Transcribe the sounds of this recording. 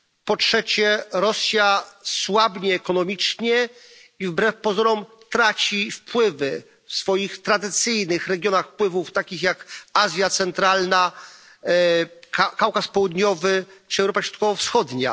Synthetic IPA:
pɔtʂɛt͡ɕɛɾɔsʲjaswabɲɛːkɔnɔmʲit͡ʂɲɛ | ivbɾɛfpɔzɔɾɔm | t̪ɾat͡ɕifpwɘvɘ | fsfɔjixt̪ɾad̪ɘt̪sɘjnɘxɾɛɡʲjɔnaxfpwɘvuft̪akʲixjakazʲjat̪sɛnt̪ɾalna | kakawkaspɔwud̪ɲɔvɘt͡ʂɨɛwɾɔpaɾɔt̪kɔvɔfsxɔd̪ɲa̰

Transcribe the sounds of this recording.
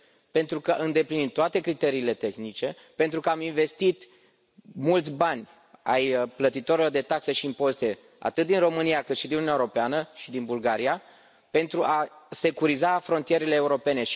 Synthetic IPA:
pe̞nt̪ɾukəʔɨnd̪e̞plinint̪ːoat̪e̞kɾit̪e̞ɾiːle̞t̪e̞xnit͡ʃe̞ | pe̞nt̪ɾukəaminve̞st̪it̪ | mult̪sʲbanʲ | a̰jplət̪it̪oɾilo̞rd̪e̞t̪akseʃiːmpo̞st̪e̞ | a̰t̪ɨt̪̚d̪inro̞mɨniakɨt̪ʃid̪inunʲaeweɾopeanəʃid̪inbulɡaɾija | pe̞nt̪ɾuʔase̞kuɾizafɾo̞nt̪ije̞ɾele̞ːuɾo̞pe̞ne̞ʃ

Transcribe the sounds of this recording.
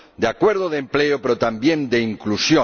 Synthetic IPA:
d̪eakweɾðoðempleopeɾot̪ambjẽnd̪eiŋklusjo

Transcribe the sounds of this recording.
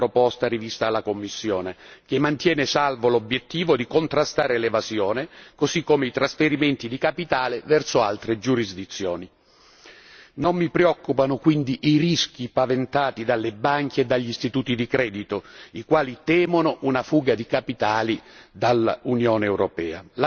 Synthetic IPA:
ɾopɔst̪aɾivist̪aːlːakomːisːjɔːnek̟emːant̪jɛːnesalvolobjet̪ːiːvod̪ikont̪ɾast̪aːɾelevazjɔːnekozikːomeit̪ɾasfeɾiment̪id̪ikapit̪aːlevɛrsoa̰lt̪ɾed͡ʒuɾizd̪it̪sːjɔːni | nomːipɾeɔkːupanʊkwind̪iʔirisk̟ipavent̪aːt̪id̪alːebaŋk̟eːd̪ːaʎːist̪it̪uːt̪id̪ikɾɛːd̪it̪oikwaːlit̪ɛːmonʊʔunafuːɡad̪ikapit̪aːlid̪alːa̰unjɔːneɛwɾopɛ̰ːa̰la

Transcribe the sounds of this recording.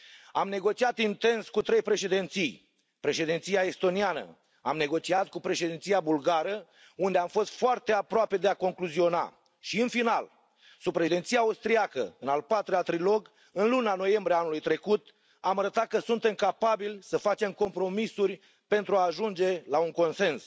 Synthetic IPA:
amne̞ɡo̞t͡ʃiat̪int̪e̞nskut̪ɾe̞jpɾe̞ʃe̞d̪ent̪sij | pɾe̞ʃe̞d̪int̪sijae̞st̪o̞nianə̰ | amne̞ɡo̞t͡ʃiat̪̚kupɾe̞ʃed̪int̪sijabulɡaɾə | und̪e̞amfo̞st̪foart̪e̞apɾoape̞d̪e̞ako̞ŋkluzio̞na̰ | ʃiɨnfinal | sub̚pɾeʃd̪eint̪sijaust̪ɾiakə̰ɨnalpat̪ɾeat̪ɾilo̞ɡ | ɨnlunano̞je̞mbɾiaanulujt̪ɾe̞kut̪ | amaɾət̪at̪̚kəsunt̪e̞mkapabilʲsəfat͡ʃe̞mko̞mpɾo̞misurʲ | pe̞nt̪ɾuaːʒund͡ʒe̞lauŋko̞nse̞ns

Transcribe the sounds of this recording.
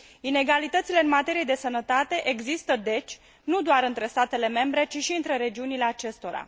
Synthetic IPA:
ine̞ɡalit̪ət̪sile̞ɨnmat̪e̞ɾije̞d̪e̞sənət̪at̪e̞ʔeɡzist̪əd̪e̞t͡ʃʲ | nud̪oaɾɨnt̪ɾe̞st̪at̪e̞le̞me̞mbɾe̞t͡ʃiʃiɨnt̪ɾe̞ɾe̞d͡ʒiunile̞at͡ʃe̞st̪o̞ɾa̰

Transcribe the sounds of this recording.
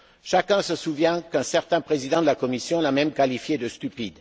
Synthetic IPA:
ʃakɛ̃səsuvjɛ̃kɛ̃sɛʁt̪ɛ̃pχezid̪ɑ̃d̪əlakɔmisjɔ̃lamɛmkalifjed̪əst̪ypid̪

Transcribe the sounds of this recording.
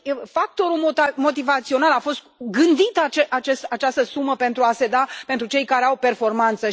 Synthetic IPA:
fak̚t̪o̞ɾulmot̪amo̞t̪̬ivat̪sio̞nalafo̞st̪ɡɨnd̪it̪at͡ʃeat͡ʃest̪at͡ʃast̪əsuməpe̞nt̪ɾuase̞d̪apent̪ɾut͡ʃe̞jkaɾeawpe̞rfo̞rmant̪sə

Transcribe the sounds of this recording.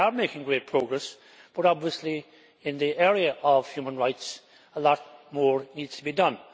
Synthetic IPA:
ə˞meɪkɪ̃ŋɡɹet̚pʰɹ̥oʊɡɹɛs | b̥ʌɾɑbviəsli | ɪ̃nðiʔɛɹiɨʔəv̥hjumə̃nɹaɪts | əlɔt̚mɔɹnid̥tʰəbidʌ̃n

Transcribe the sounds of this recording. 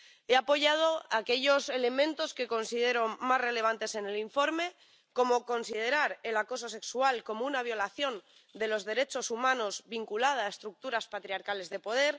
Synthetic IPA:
e̞apo̞ʝað̞o̞ake̞ʎo̞se̞le̞mẽ̞nt̪o̞ske̞ko̞nsiðe̞ɾo̞mazre̞le̞β̞ant̪e̞se̞ne̞liɱfo̞ɾme̞ | ko̞moko̞nsið̞e̞ɾaɾe̞lako̞s̬o̞se̞ksualko̞mounaβ̞jo̞laθjo̞n | d̪e̞lo̞zðe̞ɾe̞t͡ʃo̞sumãno̞zβiŋkulað̞aːest̪ɾuk̚t̪uɾaspat̪ɾiaɾkale̞zðe̞po̞ð̞e̞ɾ

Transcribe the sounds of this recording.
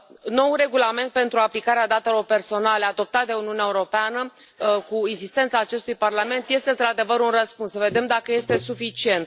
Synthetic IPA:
no̞wuɾe̞ɡulame̞nt̪̚pe̞nt̪ɾuaplikaɾead̪at̪e̞lo̞rpe̞rso̞nale̞ad̪o̞p̚t̪at̪̚d̪e̞uniuneaeuɾo̞peanə | kueɡzist̪ent̪saːt͡ʃe̞st̪ujparlame̞nt̪je̞st̪eɨnt̪ɾad̪e̞vəɾunrəspunsːəve̞d̪e̞md̪akəje̞st̪e̞sufit͡ʃie̞nt̪

